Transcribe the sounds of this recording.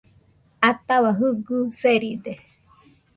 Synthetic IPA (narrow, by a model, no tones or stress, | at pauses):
at̪awaɦɯɡuseɾid̪e